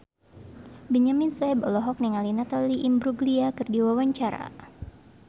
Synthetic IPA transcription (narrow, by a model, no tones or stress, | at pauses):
bɛɲaminsɔɛbɔlɔɦɔk̚niŋalinat̪aliʔimbɾuɡliakɨrdiwawaɲt͡ʃaɾa̰